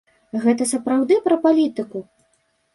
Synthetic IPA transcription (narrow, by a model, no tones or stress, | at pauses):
ɣɛt̪ɐsɐpɾawd̪ɨpɾɐpalʲit̪ɨku